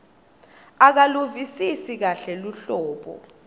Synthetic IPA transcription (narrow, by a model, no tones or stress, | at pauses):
ak̬aluvisisik̬aɬɛluɬɔːɓɔ̰